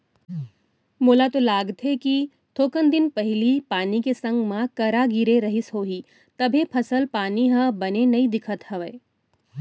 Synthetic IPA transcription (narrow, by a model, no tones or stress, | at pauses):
moːlat̪olaːɡt̪ɦeki | t̪ʰoːkənd̪ɪnpɐɦɪlipaːnikesɐ̃ŋɡmãkɐɾaɡiɾeɾɐɦɪsɦoːɦiː | t̪ɐbʱepʰɐsəlpaːniɦɐ̃bɐnenɐĩd̪ɪkʰət̪hɐʋəː